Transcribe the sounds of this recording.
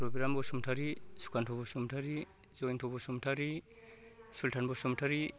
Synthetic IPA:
ɾɔbiɾambɔsumtʰaɾisu̥kʰantʰɔbɔsumtʰaɾi | zɔjntʰɔbɔsumtʰaɾi | sultʰanbɔsumtʰaɾi

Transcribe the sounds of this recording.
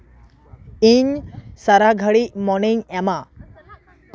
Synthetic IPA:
iɲsaɾaɡʱəɽimɔniŋɛma

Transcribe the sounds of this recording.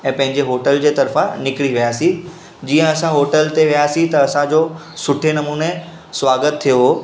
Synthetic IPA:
ɛ̃ːpɐ̃ɦɪ̃ɲd͡ʑeɦoːʈəld͡ʑeːt̪ɐɾfãnɪkɪɽiʋijaːsĩ | d͡ʑiːə̃ɐsãɦoːʈəlt̪eʋijaːsĩt̪ɐɐsãd͡ʑoː | sʊʈʰenɐmuːne | sʋaːɡət̪ʰːijoɦo

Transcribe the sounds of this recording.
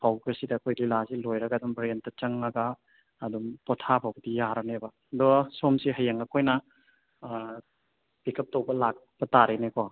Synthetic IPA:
pʰawɡɐsidɐːkʰojlilazilojɾɐɡadumbɾentɐt͡ʃɐŋːɐɡaː | dumpɔtʰapʰawbɐdijaɾɐnebɐ | dɔsomsiɦɐjɐŋɐkʰojnɐ | b̥ikʰɐp̚towbɐlak̚b̥ɐtaɾenekɔ

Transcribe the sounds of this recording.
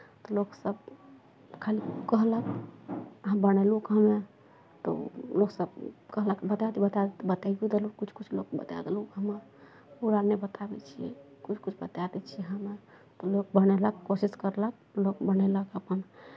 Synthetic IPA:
t̪ɔloksəb | kʰalikəɦlək | əɦãbənelukɦəme | t̪ɔ̰loksəbkəɦləkbət̪at̪ibət̪ad̪et̪bət̪aɡ̪ud̪elukkut͡ʃʰkut͡ʃʰlokbə̰t̪a̰d̪elukɦəməɾ | puɾanebət̪abɛ̰t͡ʃʰiɛ̰ | kut͡ʃʰkut͡ʃʰbət̪ad̪ɛt͡ʃʰiɛɦəme | t̪ɔlok̚bəñeləkkːosiskəɾlək̚ | lokbəneləkəpən

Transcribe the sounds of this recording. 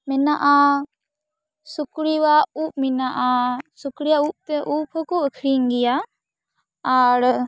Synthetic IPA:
minaʔa | sukɽiwauːp̚minaʔasukɽijaup̚t̪eʔuːpʰəkoəkʰɾiŋɡija | aɾ

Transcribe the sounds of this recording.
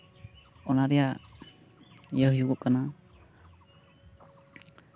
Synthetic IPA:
ɔnaɾɛja | jəhjuɡɔʔkana

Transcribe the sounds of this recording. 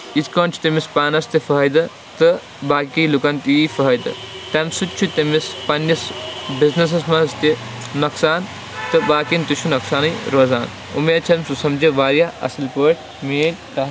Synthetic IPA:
iskɐːnt͡ʃʰu̥t̪emispaːnɐst̪ifɐɦjd̪ɐ | t̪ɨ | baːkilukɐnt̪iːfɐɦjd̪ɨ̰t̪ɐmsut͡ʃʰut̪emispɐnjɐsbiznɐs̬ɐsmɐst̪i | nɐksaːn | t̪ɨbaːkint̪ut͡ʃʰunɐksaːnɨjɾoːzaːn | ṵmeːt͡ʃʰɐmsusɐmd͡ʒiʋaːɾjaɐ̰sɨlpəːʈ | meːnʲkɐ

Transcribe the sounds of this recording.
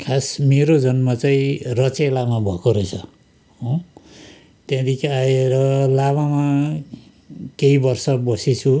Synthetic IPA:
kʰasmeɾod͡zʌnmat͡saĩrʌt͡selamabʱʌkoɾʌt͡sʰʌ | ɦo | t̪jãd̪ikʰaeɾʌlamama | keibʌrsʌbʌsit͡sʰu

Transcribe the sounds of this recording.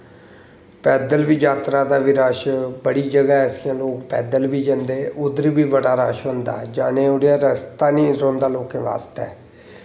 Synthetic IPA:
pɛːd̪əlʋiːd͡ʒaːt̪ɾaːd̪aːʋiːɾaːʃbəɽiːd͡ʒəɡaːɛsɪjãːloːkpɛːd̪əlʋiːd͡ʒənd̪eːʔʊd̪əɾbiːbəɽaːɾaːʃɦʊ̃ːnd̪a̰ːd͡ʒaːneːoːɽejãːɾəst̪aːnĩːɾõːnd̪aːloːkẽːʋa̰ːst̪ɛː

